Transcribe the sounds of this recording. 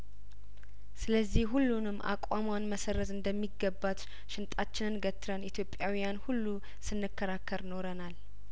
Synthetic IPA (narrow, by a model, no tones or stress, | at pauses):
sɨləzːihhulːunɨmːʔa̰kʼamwanməsərəzɨnd̪əmːiɡəbːat̪ | ʃɪnt̪ʼat͡ʃːɪnɨnɡət̪ʰːɨɾənit̪ʰjo̞pʼjawijanhulːu | sɨnːɨkʰːəɾakʰːəɾno̞ɾənal